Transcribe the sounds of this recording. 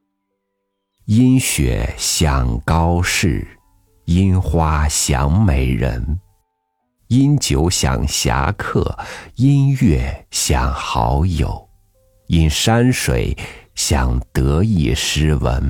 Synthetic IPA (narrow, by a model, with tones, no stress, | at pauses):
i˥nɕɥɛ̰˨˧˩ɕjɑ˨˩ŋkɑ˥ʊʂɻ̩˥˩ | i˥nxwa˥ɕjɑ˧˥ŋme˨˩ɪɻə̰˧˥n | i˥nt͡ɕjo˧˥ʊɕjɑ̰˨˩ŋɕja̰˧˥kʰɤ̰˥˩i˥nɥɛ˥˩ɕjɑ˨˩ŋxɑ˧˥ʊjo˨˩˦ʊ | i˥nʂa˥nʂwe˨˩˦ɪɕjɑ̰˨˩ŋt̪ɤ˧˥i˥˩ʂɻ̩˥wə̰˧˥n